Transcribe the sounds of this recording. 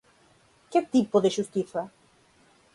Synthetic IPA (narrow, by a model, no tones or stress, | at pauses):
ket̪ipoðeʃust̪iθa